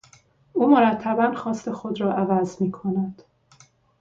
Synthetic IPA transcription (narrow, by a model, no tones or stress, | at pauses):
ʔuːmoɾæt̪ʰːæbænxɒːst̪e̞xo̞d̪ɾɒːʔævæzmiːkʰo̞næd̪̥